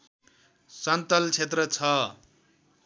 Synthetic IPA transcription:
sʌnt̪ʌlt͡sʰet̪rʌt͡sʰʌ

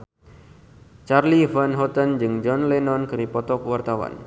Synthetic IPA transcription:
t͡ʃarlivanɦɔt̪and͡ʒɨŋd͡ʒɔnlɛnɔnkɨɾipɔt̪ɔkwart̪awa̰n

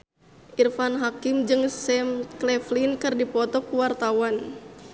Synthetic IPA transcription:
ʔirfanɦakimd͡ʒɨŋsɛmklɛflinkɨrdipɔt̪ɔkuwart̪awan

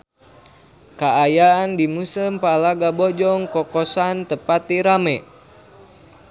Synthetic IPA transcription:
kaajaːndimusəmpalaɡabɔd͡ʒɔŋkɔkɔsant̪əpat̪iɾamɛ

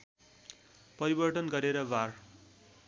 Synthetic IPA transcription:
pʌɾibʌrʈʌnɡʌɾeɾʌbar

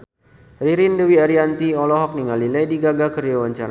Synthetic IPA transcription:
riɾindəwiaɾiant̪iɔlɔɦɔk̚niŋalilɛjdiɡaɡakəɾijowaɲt͡ʃaɾa

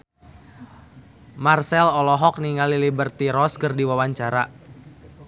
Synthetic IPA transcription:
marsɛlɔlɔɦɔk̚niŋalilibərt̪iɾɔskərdiwawaɲt͡ʃaɾa

